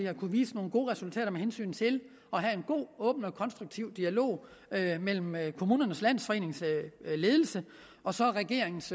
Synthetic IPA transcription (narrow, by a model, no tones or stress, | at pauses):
jɑ̈kʰuʋiːsəno̝ːn̩ɡ̥o̝̰ːʁɛsult͡sʰɛ̰ːɾɐmeɦensy̰ːnt͡sʰe̝l | ɒ̽ɦæe̝nɡ̥o̝̰ːɔ̽ːb̥n̩ɒ̽kʰɒ̽nsd̥ʁuɡ̥̚t͡sʰiʊ̰d̥iælo̝̰ː | mel̰m̩kʰo̝muːnɐnəslæn̰sfɒ̽e̝̰ːne̝ŋsle̝ːð̞ˠl̩sə | ɒ̽sɒ̽ʁɛɡ̥e̝ɐ̰e̝ŋn̩s